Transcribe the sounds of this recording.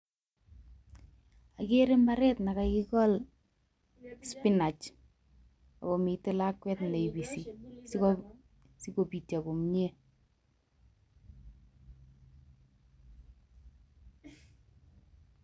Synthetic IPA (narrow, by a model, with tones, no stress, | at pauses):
a˨kɪ˦ɾɪ˦mba˦ɾɛ˦tna˨ka˦ki˦kɔ˦l | spi˦na˨t͡ʃ | a̰˨ko˨mi˨tɪ˦lakːwɛ˦tne˨ibi˨si˨s | si˦ko˨pi˨tja˨ko˨mɲe˦